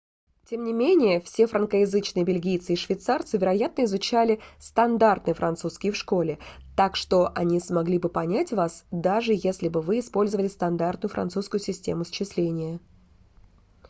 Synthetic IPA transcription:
tʲe̞mnʲɪmʲenʲɪjəfsʲefɾənkəjɪzɨt͡ɕnɨjəbʲɪlʲɡʲijt̪sɨiʂvʲɪt̪sart̪sɨvʲɪɾɐjat̪̚nəɪzʊt͡ɕælʲɪst̪ɐnd̪art̪̚nɨjəfɾʔɐnt̪suskʲɪjəfʂko̞lʲɪt̪akʂt̪o̞ʔɐnʲismɐɡlʲibɨpɐnʲætʲvasd̪aʐɨjesʲlʲɪbɨvɨɪspo̞lʲzəvəlʲɪst̪ɐnd̪art̪nʊjʊfɾɐ̰nsuskʊjʊsʲɪsʲtʲe̞mʊst͡ɕɪslʲenʲɪjə

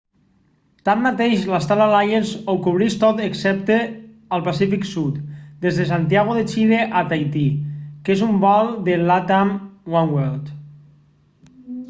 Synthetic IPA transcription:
t̪amːat̪eʃlast̪alalajənzowkuβɾist̪ot̪əksɛp̚t̪e | əlˠpasifiksut̪d̪ezðəs̬ant̪iaɣ̞uðet͡ʃiðeʔat̪ajt̪ikezumbɔlˠd̪elat̪amwanwelt̪

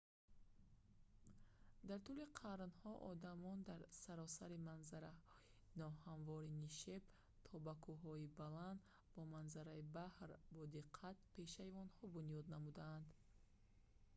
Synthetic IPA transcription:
d̪aɾt̪uliqʰaɾnhɔʔɔ̰d̪amɔnd̪aɾsaɾɔsaɾimanzaɾahɔi | nɔhanvɔɾiniʃe̞b | t̪ʰɔbakʰuɦɔibaland̪ | bɔmanzaɾaibahɾbɔd̪iqʰːat̪̚pʰe̞ʃaiɔnhɔbunijɔd̪namud̪aːnd̪

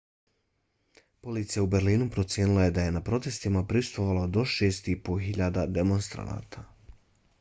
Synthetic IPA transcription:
po̞lit̪sijaubeɾliːnupɾo̞t̪sje̞ːnilˠaje̞d̪aje̞napɾo̞t̪e̞st̪imapɾisu̥t̪ʋoʋalad̪o̞ʃe̞ːst̪ipoɦiʎaːd̪ad̪emo̞nst̪ɾa̰na̰ːt̪ʰa

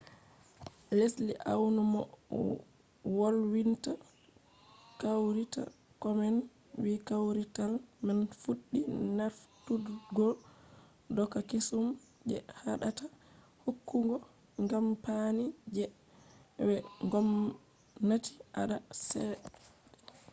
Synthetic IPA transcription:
lesliʔa̰wnumɔ̰ | wolwinta | kawɾita̰ | kɔmɛn | wikawɾitalmanfuɗːinaftudɡɔ | dɔkːakesum | d͡ʒɛ̰haɗata | hokːuŋɡɔ | ŋɡampanid͡ʒɛ | wɛŋɡɔm | nati̥ʔa̰ɗasɛ

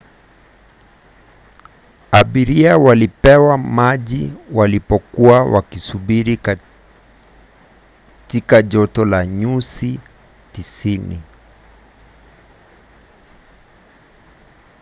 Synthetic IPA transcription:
aɓiɾiawalipɛwamaʄiwalipɔkuawʔa̰kisuɓiɾi | tikaʄɔtɔlaɲusi | tisinḭ

